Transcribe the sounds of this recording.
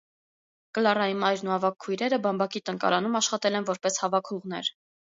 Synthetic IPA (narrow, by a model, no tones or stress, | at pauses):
kəlɑrɑjimɑjɾnuhɑvɑkʰːujɾɛɾəbɑmbɑkit̪əŋkɑ̰ɾɑn̪umɑʃχɑt̪ɛlɛnvɔɾpɛshɑvɑkʰuʁnɛ̰ɾ